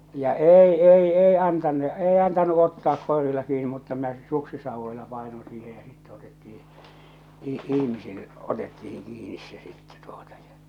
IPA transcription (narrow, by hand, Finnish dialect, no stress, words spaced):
jɑ eˑi eˑi ei ɑntɑnːu ei ɑntɑnu otːɑːk koˑerilːɑ kiːni mutːɑ minæ s̆ĕ suksisɑuʋːoilɑ pɑˑenon siːhe jɑ sitːe otetːii ih ihmisil otetːihin kiːnis se sitːe tuotɑ̥ j̊ɑ̥